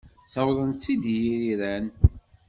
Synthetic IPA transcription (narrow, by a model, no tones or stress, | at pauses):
t͡sæwɾənt͡sːid̪jiɾiɾæn